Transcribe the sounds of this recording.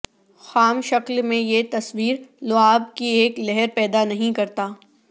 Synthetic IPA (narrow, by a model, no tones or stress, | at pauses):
xaːmʃɐklmẽjet̪ɐswiːɾlʊaːb̚kieːklɛɦɛɾpɛːd̪anɐɦĩkɐɾt̪aː